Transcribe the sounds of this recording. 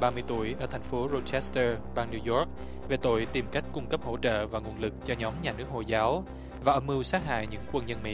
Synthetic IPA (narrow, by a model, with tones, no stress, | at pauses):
ɓaː˧mɨ˧əjt̪ṵ˧˩əjʔəː˧˩t̪ʰa˨˩ŋ̟fo˨˦ɾo˧t̚t͡ɕɛ˦˥st̪əː˧ɓaː˧ŋni˧wzɔ˦˥k̚ | ve˨˩t̪o̰˧˨jt̪i˨˩mka˦˥jk̟̚kʊ˧ŋ͡mkə˦˥p̚ho̰˧˥t͡ɕə̰ː˧˨vaː˨˩ŋ˨˩ənlɨ˨˩k̚t͡ɕɔ˧ɲɔ˨˦mɲaː˨˩nɨ˦˥ək̚ho̰˧˨jzaː˨˦w | vaː˨˩ʔə˧˩mʔɨ˧wsaː˦˥t̚ɦa̰ː˧˨jɲɨ̰˧˥ŋkwə˧nɲə˧nmḭ˧˥